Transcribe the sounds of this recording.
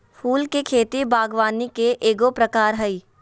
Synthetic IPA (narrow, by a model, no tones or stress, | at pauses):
fʰuːlkekʰeːt̪ibaːɡʋaːnikeʔeːɡopɾəkaːɾɦɐiː